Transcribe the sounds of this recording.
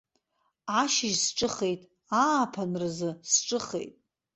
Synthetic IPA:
aʃɪʒsʈ͡ʂʼɨχejtʼ | apʰanrɨzɨsʈ͡ʂʼɨχḛjtʼ

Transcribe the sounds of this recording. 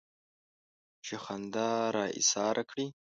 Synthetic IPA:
t͡ʃexand̪ɑɾɑːḭsɑːɾʔakɽi

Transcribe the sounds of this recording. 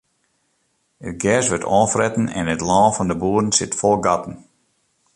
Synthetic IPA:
ət̚ɡɛsʋətʰɔːfrɛtn̩ɛ̰nətlɔːfɔndəbuːdən̩sɪtfɔlˠɡɑtn̩

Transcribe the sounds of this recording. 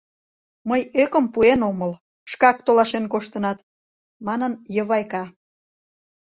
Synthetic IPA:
məjøkəmpuenoməl | ʃkɑk̚t̪olɑʃenkoʃt̪ə̆nɑt̪ | mɑnənjəβɑjkɑ

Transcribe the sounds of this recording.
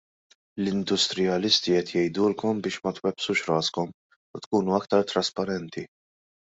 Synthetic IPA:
lɪnd̪ʊst̪ɾɪjɐlɪst̪iɛt̪jɛjd̪uːlkɔmbɪːʃmɐt̪wɛpsuːʃɾɐːskɔm | ʊt̪kuːnuɐk̚t̪ɐɾt̪ɾɐspɐɾɛnt̪i

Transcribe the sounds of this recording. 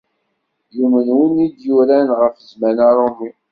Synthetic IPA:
jumənwinid̪juɾænʁəfəzmænɑɾˤomi

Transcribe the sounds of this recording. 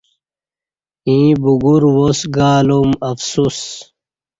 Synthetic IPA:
ĩːbuɡuɾwosɡaːlumɐfsuːs

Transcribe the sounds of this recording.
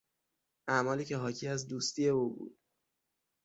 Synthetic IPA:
ʔæmɒːliːcʰeɦɒːcʰiːæzd̪uːst̪iːje̞ubṵːd̪̥̚

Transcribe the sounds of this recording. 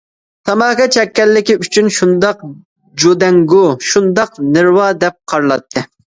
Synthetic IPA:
t̪ʰɑmɑːkɑt͡ʃʰɛkʲːɛlːɪkʲiyt͡ʃʰynʃund̪ɑq | d͡ʒod̪ɛŋɡʊʃund̪ɑqnɨɾwɑːd̪ɛp̚qʰɑɾlˠɑt̪ʰːɨ

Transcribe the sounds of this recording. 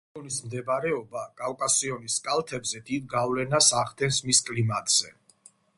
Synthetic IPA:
ɔnismd̪ɛbaɾɛɔbakʼalkʼasiɔniskʼalˠt̪ʰɛbzɛd̪id̪̚ɡavlɛnasaʁd̪ɛnsmiskʼlimat̪ʼz̥ɛ

